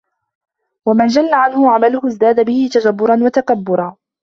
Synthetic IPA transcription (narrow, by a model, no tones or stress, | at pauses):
wamand͡ʒalːaʕanhʊʕamalʊhʊzd̪aːd̪abɪhɪt̪ad͡ʒabːʊɾˤɑnwat̪akabːʊɾˤɑː